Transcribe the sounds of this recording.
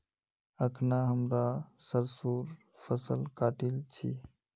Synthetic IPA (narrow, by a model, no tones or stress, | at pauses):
əkʰnaɦəmɾasəɾsuːɾ | pʰəsəlkaːʈilt͡ʃʰḭː